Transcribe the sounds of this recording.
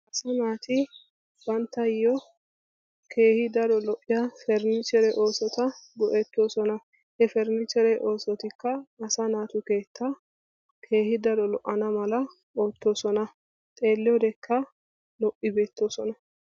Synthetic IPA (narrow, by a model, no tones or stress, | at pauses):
ʔɐsɐnaːt̪ɪ | bɐnt̪ːɐjɔ | kʰe̞ːhɪd̪ɐɾɔlɔʔːɪjɐfɛɾnɪt͡ʃɛɾɛʔo̞ːsɔt̪ɐɡɔʔɛt̪ːo̞ːsɔnɐ | hɛfɛɾnɪt͡ʃɛɾɛʔo̞ːsɔt̪ɪkːɐːsɐnaːt̪ʊke̞ːt̪ʰːɐ | kʰe̞ːhɪd̪ɐɾɔlɔʔːɐnɐmɐlɐ | oːt̪ːo̞ːsɔnɐ | t̪ʼe̞ːlːɪjɔd̪ɛkʰːɐ | lɔʔɪbe̞ːt̪ːoːsɔnɐ